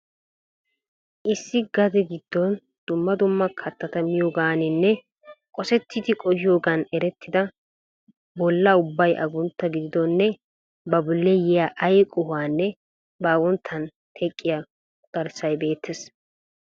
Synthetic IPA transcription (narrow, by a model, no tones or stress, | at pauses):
ʔɪsːɪɡɐd̪ɛɡɪd̪̥ːɔn | d̪̥ʊmːɐd̪ʊmːɐkʰɐt̪ːɐt̪ɐmɪjoːɡaːnɪnːɛ | kʼɔsɛt̪ʰːɪt̪ɪkʼɔjɪjo̞ːɡɐnɛɾɛt̪ːɪd̪ɐ | bɔlːɐʊbːɐjʔɐ̰ɡʊnt̪ːɐɡɪd̪ɪd̪ɔnːɛ | bɐbʊlːɛjɛjaːʔɐjkʼʊhaːnːɛ | baːwɔnt̪ʰːɐn | t̪ʰɛkʼːɪjɐ | ɡ̪̥ɐɾsɐjbe̞ːt̪ːes